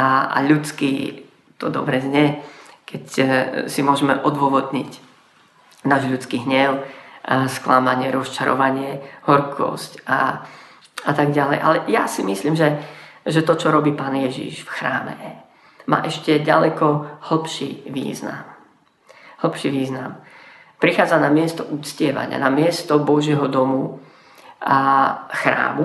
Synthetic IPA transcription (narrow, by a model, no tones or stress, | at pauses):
aa̰ʎut͡skiː | t̪ɔd̪ɔ̰bɾɛzɲɛkɛcsimʊɔʒɛmɛʔɔd̪ʋɔʋɔd̪ɲic | naːʒʎut͡skiːɦɲɛʊ | sklamaɲɪɛɾɔst͡ʃaɾɔ̰ʋaɲɪɛhɔɾkʰɔ̰sca̰ | at̪aɡɟalɛ̰jʔalɛjasimisliːmʒɛʒɛt̪ɔt͡ʃɔɾɔbiːpaːnjɛʒḭʃfxɾaːmɛ̰ | ma̰ːʔɛʃcɛɟa̰lɛkɔhl̩pʃḭʋḭːzna̰m | hl̩pʃiʋiːzna̰m | pɾixaːd͡zanamɪɛst̪ɔʔuːt͡scɪɛʋa̰ɲɪ̰a̰namɪɛst̪ɔbɔʒɪɛɦɔd̪ɔmu | axɾa̰ːmu